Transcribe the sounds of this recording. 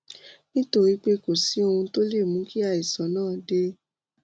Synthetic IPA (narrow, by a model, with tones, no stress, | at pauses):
nĩ˦to˦˧ɾi˨˦k͡pe˦ko˨si˨˦o˧hũ˧to˦le˦˨mũ˨˦ki˦a˧i˨sã˨˦nãː˦˨de˦